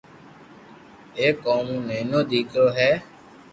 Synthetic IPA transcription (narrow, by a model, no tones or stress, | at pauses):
eːkːoːmũːnẽːnõːd̪iːkʰjoːɦɛː